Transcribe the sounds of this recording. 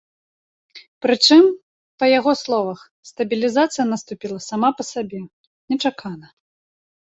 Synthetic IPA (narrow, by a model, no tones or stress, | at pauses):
pɾɨt͡ʂɨm | pɐjaɣɔslˠɔvɐx | st̪ɐbʲilʲizat̪sɨjɐnɐst̪upʲilˠɐsamapɐsabʲɛ | nʲɛt͡ʂakanɐ